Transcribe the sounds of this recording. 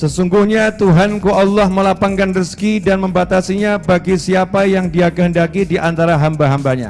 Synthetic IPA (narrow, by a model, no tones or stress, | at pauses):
səsuŋɡuhɲat̪uɦankuʔalːɔhməlapaŋkanriskidanməmbat̪asiɲabaɡisiapajaŋdiakəɦəndakidiʔant̪aɾaɦambaɦambaɲa̰